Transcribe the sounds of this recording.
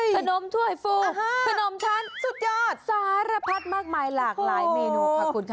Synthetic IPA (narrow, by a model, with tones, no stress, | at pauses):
kʰa˧no˨˦mt̪ʰu˥˩əjfuː˧˥a˧no˨˦mt͡ɕʰa˦˥˩nsu˨˩t̪̚jaː˧˥˩t̪̚sa˧haː˨˦˥ɾa˧pʰa˦˥t̪̚maː˥˩k̚maː˧jlaː˨˩klaː˨˦jmiː˧nu˧˦˥pʰa˦˥kuː˧nkʰ